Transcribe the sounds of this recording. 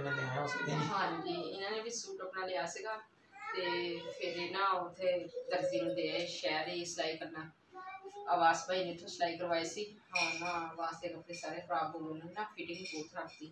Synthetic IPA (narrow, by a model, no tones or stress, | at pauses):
ɦãːd͡ʒiːɪnãːnẽːbisuːʈəpnãːleːaːsɪɡaː | t̪eːpʰɪɾneːnãːʊt̪ʰːeːt̪əɾziːnd̪eːɛːʃɛːɾiːɪslaːiːkəɾnaː | aːʋaːspaːiːnẽːt̪ʰːõːslaːiːkəɾʋaːeːsiːɦaãnãːaʋaːst̪eːkəpʰɾeːsaːɾeːkɾaːboːloːnẽːnãːpʰiʈɪŋĩboːt̪ʰɾaːkʰd̪iː